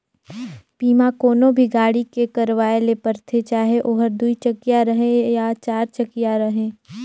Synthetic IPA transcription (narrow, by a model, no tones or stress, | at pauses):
piːmãkoːnobʱiɡaːɽikekɐɾʋaːelepɐɾt̪ʰet͡ʃaːɦeʔoːɦəɾd̪uit͡ʃɐkijaɾɐɦẽjat͡ʃaːɾt͡ʃɐkijaɾɐɦẽː